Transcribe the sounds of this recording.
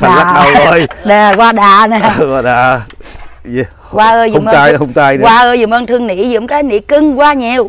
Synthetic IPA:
a˨aː˨a˦˨ɗa˧wə˧jɗɛ˨˩kwaː˧ɗaː˨˩nɛ˨˩kwaː˧˩ɗa̰ː˨˩ | kwaː˧ʔəː˧jzm˧aː˧jhə˧wŋ͡mt̪aː˧jwaː˧ʔəː˧jzṵ˨˧˨ŋ͡mʔəː˧nt̪ʰɨ˧əŋnḭ˧˥zʊ̰˧˩˥ŋ͡mkaː˨˦jnḭ˧˨˥kɨ˧ŋkwaː˧ɲi˨˩w

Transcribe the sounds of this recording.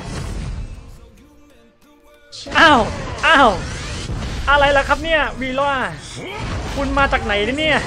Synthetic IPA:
ʔaː˧˩wʔaː˧˩w | ʔa˧ɾa˧jla˨˦˥kʰa˦˥p̚ni˥˩ɐwiː˧laː˥˩ | kʰu˧nmaː˧t͡ɕaː˨˩k̚na˨˩˦jna˧˥˦ni˥˩ɐ

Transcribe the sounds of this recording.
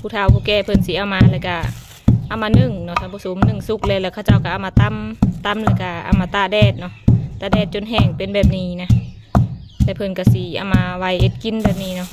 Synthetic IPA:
pʰuː˧˩t̪ʰa˧˨wkuː˧˦kɛː˧˩pʰɤ˧˩nsi˧˦ʔa˧wmaː˧lɛː˧˨ka˧˩ | ʔa˧˨wmaː˧nɯ˧˩˨ŋnɔ˧˨sa˨˦mpa˧˨so˨˦mnɯ˧˩ŋsu˧˦k̚lɛː˧˨lɛ˧˩kʰa˧wt͡ɕa˧˨wka˧ʔa˧˨wmaː˧t̪a˧˥˨mt̪a˧˥˨mlɛː˧˩ka˧˩ʔa̰˧˩˨maː˧t̪aː˧˨dɛː˧˩t̪̚nɔ˧˨ʔt̪aː˧˨dɛː˧˩t̪̚t͡ɕo˧˨nɦɛː˧˩ŋpe˧˨nbɛː˧˩p̚niː˧˩na˧ | lɛ˧˨pʰɤ˧˨nka˧˩si˨˧˦ʔa̰˧˩wmaː˧wa˧˨jʔe˧˦t̪̚ki˧˥nbɛː˧˩p̚niː˧˨nɔ˧˨ʔ

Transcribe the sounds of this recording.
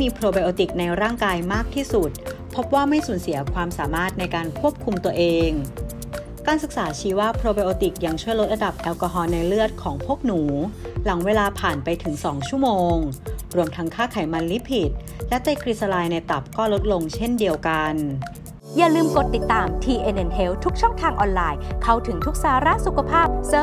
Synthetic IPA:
miː˧pʰɾoː˧ba˧jʔoː˧t̪i˨˩k̚na˧jɾaː˥˩ŋkaː˧jmaː˥˩k̚t̪ʰiː˥˩su˨˩t̪̚ | pʰo˦˥p̚waː˥˩ma˥˩jsuː˩˦nsi˩˦ɐkʰwaː˧msaː˩˦maː˥˩t̪̚na˧jkaː˧nkʰu˥˩əp̚kʰu˧mt̪u˧ɐʔeː˧ŋ | kaː˧nsɯ˨˩k̚saː˩˦t͡ɕʰiː˨˦˥waː˥˩pʰɾoː˧ba˧jʔoː˧t̪i˨˩k̚ja˧ŋt͡ɕʰu˥˩jlo˦˥t̪̚ɾa˧da˨˩p̚ʔɛː˧wkaː˧ɦɔː˧nːa˧jlɯ˥˩ət̪̚kʰɔː˩˦ŋpʰu˥˩ək̚nuː˩˦la˩˦ŋweː˧laː˧pʰaː˨˩npa˧jt̪ʰɯ˨˩˦ŋsɔː˩˦ŋt͡ɕʰu˥˩moː˧ŋɾu˧əmt̪ʰa˦˥ŋkʰaː˥˩kʰaː˨˩˦jma˧nli˦˥pʰi˨˩t̪̚ | lɛ˦˥t̪e˧˥˩kɾi˦˥sa˧laː˧jna˧jt̪a˨˩p̚kɔː˥˩lo˦˥t̪̚lo˧ŋt͡ɕʰe˥˩ndi˧əwka˧n | jaː˨˩lɯː˧mko˨˩t̪ːi˨˩t̪ːaː˨˧mt̪ʰiː˧ʔe˧nʔe˧nhe˦˥wt̪ʰu˦˥k̚t͡ɕʰɔ˥˩ŋt̪ʰaː˧ŋʔɔː˧nlaː˧jkʰa˥˩wt̪ʰɯ˩˦ŋt̪ʰu˦˥k̚saː˨˦ɾa˦˥su˨˩kʰa˧pʰaː˥˩p̚sɤː˦˥

